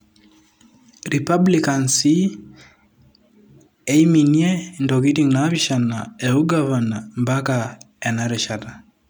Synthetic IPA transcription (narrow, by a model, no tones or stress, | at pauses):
ɾipablikansi | ɛiminiɛndɔɣitiŋnaβiʃanaɛuɡavanambaka | ɛnaɾɛʃata